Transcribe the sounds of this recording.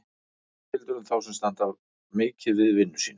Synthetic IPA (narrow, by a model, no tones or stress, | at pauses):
ɪlt̪ʏɾʏmθawsɛmst̪ant̪av | mɪːcɪðvɪðvɪnːʏ̥siːn